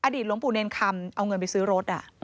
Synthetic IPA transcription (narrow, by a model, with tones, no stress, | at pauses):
ʔaː˧diː˨˩t̪̚lo˩˦mpu˨˩ne˧nkʰa˧mʔa˧wŋɤ˧npa˧jsɯː˦˥ɾo˦˥t̪̚ʔa˨˩